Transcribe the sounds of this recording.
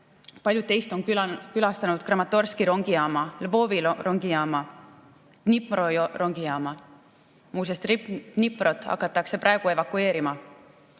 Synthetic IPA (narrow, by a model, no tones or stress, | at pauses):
pɑlʲjud̪t̪ːe̞jst̪o̞nkylɑst̪ɑnud̪̥krɑmɑt̪ːˑo̞rskiɾoŋɡ̥iɑːmɑlvo̞ːviroŋɡijɑːmɑ | nipmroro̞ŋɡ̥ijɑːmɑ | muːsest̪rinipmɾo̞t̪ːˑɑ̰kːˑɑt̪ːˑɑkse̞pɾʔɑeɡ̥ue̞vɑkːue̞ːɾimɑ